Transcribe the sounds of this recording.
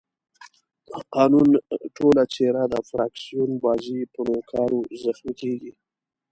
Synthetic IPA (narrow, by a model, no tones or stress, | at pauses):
əqɑnunʈʰolat͡ʃeɾad̪əfɾɑksijunbɑzipənokʰɑɾozəxmikeɡi